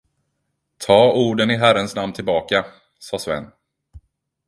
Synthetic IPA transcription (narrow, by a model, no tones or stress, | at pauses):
t̪ʰɑːuːɖənɪɦæɾənsnamnt̪ʰɪlbɑːka | sɑːsvɛ̰nː